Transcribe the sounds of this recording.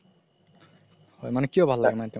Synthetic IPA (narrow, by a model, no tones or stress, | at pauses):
hojmanekiobʱalːaɡmant̪e